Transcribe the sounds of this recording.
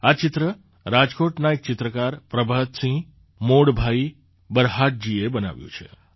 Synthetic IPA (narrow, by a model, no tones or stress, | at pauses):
at͡ʃɪt̪ɾə | ɾad͡ʒkoʈnaek̚t͡ʃɪt̪ɾəkaɾpɾəbʱaɦt̪sĩ | moɽbʱai | bəɾɦaʈ̚d͡ʒiebəna̰ʋjṵ̃t͡ʃʰḛ